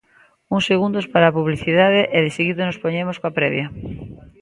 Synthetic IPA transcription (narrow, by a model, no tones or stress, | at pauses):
uŋsːeɣund̪ospaɾaːpuβliθiðaðeʔeðɪseɣiðonospoɲemoskoapɾɛβjɐ